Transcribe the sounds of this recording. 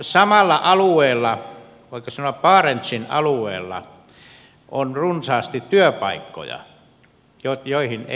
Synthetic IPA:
sɑmɑlːɑʔɑlueːlːɑ | ʋɑˑikːˑɑsɑnoɑpɑːrent̪sinɑ̰lueːlːɑ̰ | ʔonrunsɑːst̪it̪tyøpɑikːo̰jɑ̰ | jojoihine

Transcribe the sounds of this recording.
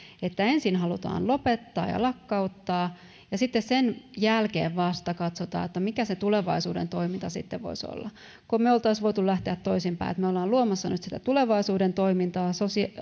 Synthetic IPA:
et̪ːæensinɦɑlut̪ɑ̰ːnlopet̪ːɑ̰ːjɑ̰lɑkːɑut̪ːɑː | jɑsit̪ːessenjælkḛːʋʋɑst̪ɑkɑt̪sot̪ɑ̰ːet̪ːæmikæset̪uleʋɑisṵːdḛnt̪oimint̪ɑsḭt̪ːḛʋʋo̰iso̰lːɑ | komeolt̪ɑisʋoit̪ulæht̪eæt̪tːoisimpæ̰ḭḛt̪meolːɑːluomɑsːɑnyt̪si̥t̪æt̪uleʋɑisuːdent̪oimint̪ɑːsosi

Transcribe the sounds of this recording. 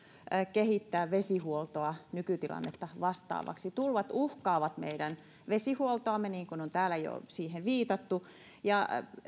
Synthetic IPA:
kehit̪ːæːʋʋesihuolt̪oɑnykyt̪ilɑ̰nːḛt̪ːɑʋɑst̪ɑ̰ːʋɑ̰ksit̪ulʋɑt̪uhkɑːʋɑt̪mḛidæn | ʋesihuolt̪oɑmːeniːŋkunont̪æːlæjo̰siːheʋʋiːt̪ɑt̪ːu | jɑ

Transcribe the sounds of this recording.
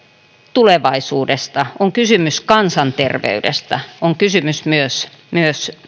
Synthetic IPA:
t̪uleʋɑisuːdest̪ɑoŋkysymyskɑnsɑnt̪erʋḛydḛst̪ɑoŋkysymysmyøs | myøs

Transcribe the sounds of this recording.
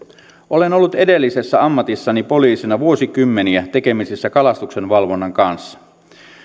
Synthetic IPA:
ʔolenolːut̪edelːisesːæɑmːɑt̪isːɑnipo̞liːsinɑʋuosikymːeniæt̪ekemisisːækɑlɑst̪uksenʋɑlʋonːɑŋkɑnsːɑ̥

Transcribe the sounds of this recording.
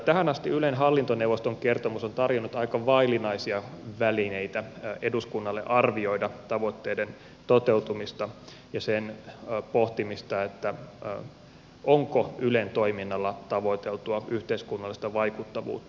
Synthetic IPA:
t̪æhænɑst̪iylenɦɑlːint̪onewʋost̪oŋkert̪omusont̪ɑrjonːut̪ɑikɑʋɑilinɑisiɑʋælineit̪æeduskunːɑlːḛʔɑrʋio̞idɑt̪ɑʋot̪ːeːden | t̪ot̪e̞ut̪umist̪ɑ | jɑsenpoht̪imist̪ɑet̪ːæ | ʔoŋkoylent̪o̞iminːɑlːɑt̪ɑʋot̪elt̪uɑyht̪eiskunːɑlːist̪ɑʋɑikut̪ːɑʋṵːt̪ːɑɑ

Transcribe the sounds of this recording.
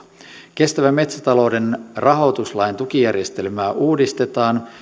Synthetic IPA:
k̟e̞st̪æʋæmːe̞t̪sæt̪ɑlo̞wde̞nrʔɑɦo̞t̪uslɑjnt̪uk̟ijærje̞st̪e̞lmæːʔuːdist̪e̞t̪ɑːn

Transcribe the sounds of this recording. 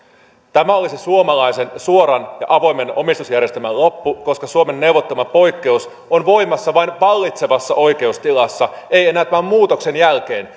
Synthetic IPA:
t̪æmæo̞lisesuomɑlɑjse̞nsuo̞ɾɑnjɑ̰ʔɑʋo̞jme̞no̞̰mist̪usjærje̞st̪æmælːo̞pːuko̞skɑsuome̞nːe̞uʋot̪ːomɑpo̞jkːe̞us | onʋo̞jmɑsːɑʋɑinʋɑlːit̪se̞ʋɑsːɑʔo̞jk̟e̞ust̪ilɑsːɑe̞je̞næːt̪ːæmæmmuːt̪o̞kse̞njælk̟e̞ːn

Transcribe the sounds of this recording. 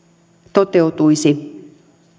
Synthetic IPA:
t̪ot̪e̞ut̪ujsi

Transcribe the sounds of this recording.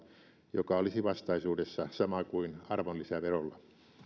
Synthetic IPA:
jokɑolisiʋɑst̪ɑisuːdesːɑsɑmɑkuinɑrʋolːisæʋerolːɑ

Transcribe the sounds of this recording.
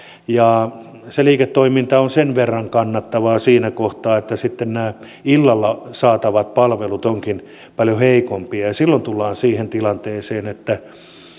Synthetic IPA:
jɑ | seliːket̪ːoimint̪ɑonsenʋerːɑŋkɑnːɑt̪ːɑʋɑːsiːnækoht̪ɑːet̪ːæsit̪ːennæː | ilːɑlːɑsɑːt̪ɑʋɑt̪̚pɑlʋelut̪oŋkin | pɑljoheikompiɑjɑsilːont̪ulːɑːnsiːhent̪ilɑnt̪eːseːnet̪ːæ

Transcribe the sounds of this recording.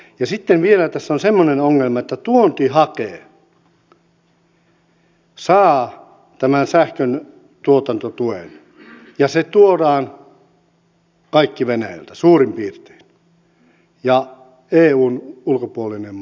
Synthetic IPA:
jɑsit̪ːenʋielæt̪æsːonsemːonenoŋːelmɑet̪ːæt̪uont̪ihɑkeː | sɑː | t̪æmænsæhkøn | t̪uot̪ɑnt̪ot̪uḛn | jɑset̪uoɾɑːn | kɑikːiʋenæjæ̰lt̪æsuːrimpiːrt̪e̥ːn | jɑ | eːuːnulkopuolinem

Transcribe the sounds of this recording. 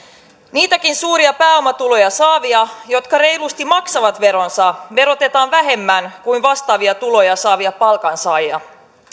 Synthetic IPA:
niːt̪ækinsuːɾiɑpæːo̞mɑt̪ulo̞jɑsɑːʋiɑjo̞t̪kɑre̞jlust̪imɑksɑʋɑt̪ʋe̞ɾo̞nsɑʋe̞ɾo̞t̪e̞t̪ɑːnʋæɦe̞mːænkuinʋɑst̪ɑːʋiɑt̪ulo̞jɑsɑːʋiɑpɑlkɑnsɑːjɑ̰

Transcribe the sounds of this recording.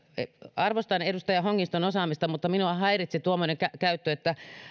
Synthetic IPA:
eɑrʋost̪ɑnedust̪ɑjɑhoŋːist̪onosɑːmist̪ɑmut̪ːɑminuɑhɑirit̪sit̪uomːŏneŋkækæyt̪ːøet̪ːæ

